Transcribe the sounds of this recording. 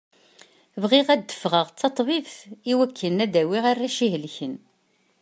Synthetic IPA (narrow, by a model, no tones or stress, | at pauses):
vʁiʁæd̪ːə̥fʁəʁt͡sːɑt̪ˤːvivθiwækʰːənæd̪æwɪʁarːæʃiɦlçən